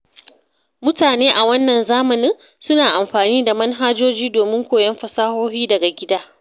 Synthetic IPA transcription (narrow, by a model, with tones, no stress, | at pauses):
mʊ˦taː˨neː˦ʔa˨wɐ˦nːɐ˨nzaː˦mɐ˨nɪ˦ŋ | sʊ˦naː˨ʔa˨mɸaː˨niː˦da˨mɐ˦nɦaː˦d͡ʒoː˦d͡ʒiː˦doː˨mɪ˦ŋkʷoː˨jɐ˦mɸɐ˨saː˦hoː˦ɸiː˦dɐ˨ɡa˨ɡʲɪ˦daː˦